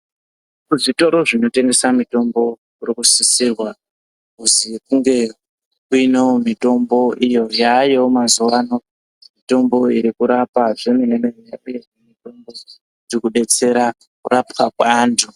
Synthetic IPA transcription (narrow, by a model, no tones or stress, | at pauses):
kuʐito̞ɾo̞ʐino̞te̞ŋɡe̞samito̞mbo̞ | urikusisirwa | kuzikuŋɡe̞ | kuineomito̞mbo̞ʔijo̞jajomazuʋano̞ | mito̞mbo̞iɾikuɾapaʐenenemerijaʔujeemito̞mbo̞ | rikuɗe̞t͡se̞ɾa | kurapwakwaːndʰu